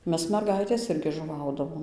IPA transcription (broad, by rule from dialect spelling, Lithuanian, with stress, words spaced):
ˈmʲɛs mʲɛrˈɡɐɪtʲeːs ˈɪrʲɡʲɪ ʒʊˈʋɐʊdɐʋoːm